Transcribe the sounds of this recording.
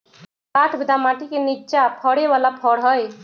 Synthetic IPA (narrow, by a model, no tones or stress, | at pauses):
kaʈʰbid̪amaʈikenit͡ʃapʰəɽeʋalapʰəɽɦəj